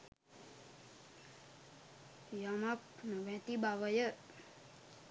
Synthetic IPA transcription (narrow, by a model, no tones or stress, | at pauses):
jamapnəʋɛ̃t̪ibaʋəjə